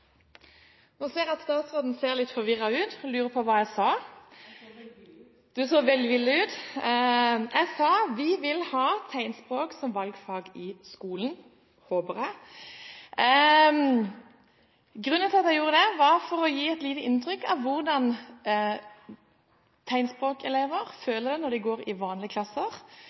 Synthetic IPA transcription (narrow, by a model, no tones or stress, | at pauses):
nuseːʁɑt̪st̪ɑːt̪sʁoːd̪n̩seːʁlɪt̪fɔʁʋɪʁːɑʉːt̪ɔlʉːɾəpʰɔʋɑːjæɪsɑː | d̪̥ʉsoːʋɛld̪ɪʋɪlːəʉːt̪ | ʔæɪsɑːʋɪʋɪlhɑːt̪ʰæɪnspʁoːksɔmʋɑlɡfɑːɡɪskuːlən̩ | hoːbəʁɛ | ɡʁʉnːənt̪ɪɑt̪jæɪjuːʁəd̪ɛʋɑʁfɔʁɔjiːɛt̪liːt̪əɪnt̪ɾʏkːɑ̰ʋʋʊʁd̪ɑn | t̪ʰæɪnspʁoːkɛleːʋəʁføːləd̪ɛnɔʁd̪ɪɡoːɾɪʋɑːnlɪəkʰlɑsːəʁ